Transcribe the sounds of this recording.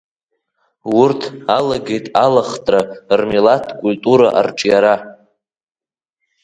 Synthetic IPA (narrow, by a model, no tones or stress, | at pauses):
wʊrtʰalaɡe̞jtʼalaχtʼrarmilatʰkʷʼultʼuɾaʔa̰rʈ͡ʂʼjaɾa